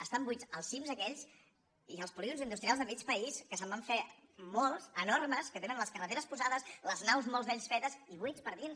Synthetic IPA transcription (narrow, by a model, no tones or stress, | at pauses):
əst̪ambujt͡səlˠsimzðəkɛʎs | iəlˠspuliɣunzind̪ust̪ɾialˠzðəmit͡ʃpəiskəsəmbaɱfemɔlˠzənɔrməskət̪enənləskərət̪eɾəspuzaðəsləznawzmɔlˠzðɛʎʲsfɛt̪əziβujspəɾðins